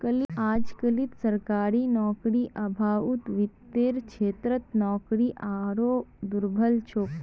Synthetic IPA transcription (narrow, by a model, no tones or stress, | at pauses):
kəlad͡ʒkəlit̪səɾkaːɾinɔkɾiʔəbʱaːut̪ʋit̪ːeːɾkʃʰeːt̪ɾət̪nɔːkɾiʔaɾod̪uɾbʱəlt͡ʃʰok